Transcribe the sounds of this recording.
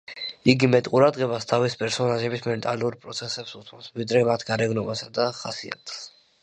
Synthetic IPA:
iɡimɛt̪ʼqʼuɾad̪ʁɛbast̪ʰavispʼɛɾsɔnaʒɛbismɛnt̪ʼaluɾpʼɾɔt̪sʰɛsɛpsut̪ʰɔsvid̪ɾɛmat̪ʰɡaɾɛɡnɔbasad̪aχasia̰t̪ʰs

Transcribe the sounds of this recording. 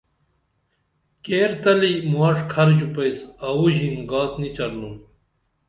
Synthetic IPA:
keːɾt̪ɐlimuɐʂkʰɐɾʑupɐjsɐwuʑimɡaːsnit͡ɕɐɾnum

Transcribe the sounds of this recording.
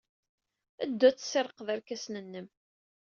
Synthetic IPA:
æ̰d̪ːæt͡sːseɾˤəqðæɾkæsnənːəm

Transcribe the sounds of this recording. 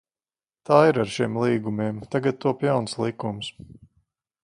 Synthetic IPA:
t̪aːiɾaɾʃimlˠiːɡumiɛmt̪aɡat̪̚t̪uɔpjawnslˠikums

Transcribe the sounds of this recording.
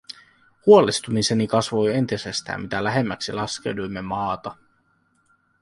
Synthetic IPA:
huolist̪umise̞nikɑsʋo̞je̞nt̪isest̪æ̰ːmit̪ælæɦe̞mːæksilɑsk̟e̞̰wdujmːe̞mɑːt̪ɑ

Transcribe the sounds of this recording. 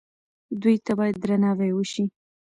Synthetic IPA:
d̪ujt̪abɑjad̪̚ːɾanɑwewəʃi

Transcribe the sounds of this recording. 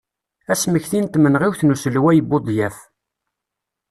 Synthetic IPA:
æsməçθint̪mənʁiwθnusəlwæjəbːod̪ˤjæf

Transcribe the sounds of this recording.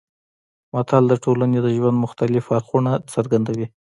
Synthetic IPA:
mat̪ʰɑld̪əʈʰolaned̪əʒwand̪mʊxt̪alɪfaɾxunat͡səɾɡand̪awi

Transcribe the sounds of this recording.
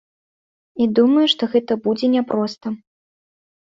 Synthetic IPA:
id̪umɐjuʂt̪ɔɣɛt̪ɐbud͡zʲɛnʲɛpɾɔst̪ɐ

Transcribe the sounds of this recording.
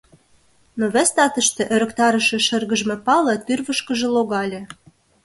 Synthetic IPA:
noβæst̪ɑt̪ə̆ʃt̪ĕʔøɾə̆kt̪ɑɾə̆ʃĕʃə̆rɣə̆ʒmĕpɑlɤ̆t̪yrβə̆ʃkə̆ʒĕloɣɑlʲĕ

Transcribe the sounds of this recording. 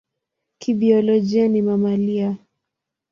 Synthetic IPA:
kiɓiɔlɔd͡ʒianimamalia

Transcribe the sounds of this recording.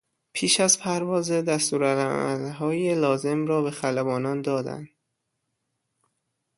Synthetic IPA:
pʰiːʃæzpʰæɾvɒːzed̪æst̪uːɾælæ̰æ̰lɦɒːjelɒːze̞mrɒːbe̞xælæbɒːnɒːnd̪ɒːd̪æ̰nd̪̥

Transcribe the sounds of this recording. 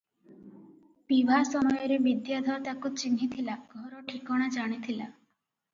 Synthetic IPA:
pibʱasɔmɔjɔɾebid̪jad̪ʱɔɾt̪akut͡ʃinɦit̪ʰilaɡʱɔɾɔʈʰikɔɽ̃ad͡ʒaɽ̃it̪ʰila

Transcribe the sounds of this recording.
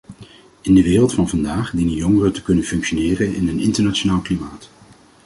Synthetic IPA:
ɪndəʋɪːrəlˠtfɑnvɑndaːχdinəjɔŋərətə̥kɵnənfɵŋkʃonɪːrənɪ̰nənɪntəɹnat͡ʃonaːlˠklimaːt

